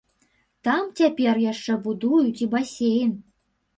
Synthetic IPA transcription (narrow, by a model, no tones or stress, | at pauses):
t̪ɑmtʲæpʲerjɑʂːĕbud̪ujut̪ʲibɑsʲejən